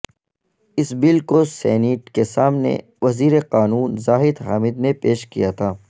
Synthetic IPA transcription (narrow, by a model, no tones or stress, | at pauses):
ɪsbɪlkosɛ̰ːniːʈkesaːmnḛ | ʋɐziːɾeqaːnuːnzaːɦɪd̪ɦaːmɪd̪nepeːʃkḭjat̪ʰaː